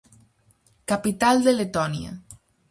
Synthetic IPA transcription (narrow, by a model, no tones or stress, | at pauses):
kapit̪ald̪elet̪ɔniɐ̰